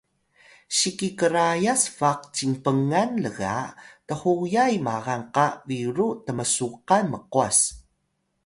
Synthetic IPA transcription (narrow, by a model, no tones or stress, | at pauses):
ɕikikəɾajasfaq̚t͡ɕiŋpəŋanləɣa̰təhujajmaɣanqaviɾutəməsuqanməquas